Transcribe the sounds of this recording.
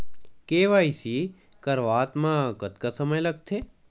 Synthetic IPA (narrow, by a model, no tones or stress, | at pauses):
keʋaisi | kəɾʋaːt̪mãkət̪kasəməjləɡ̚t̪ʰe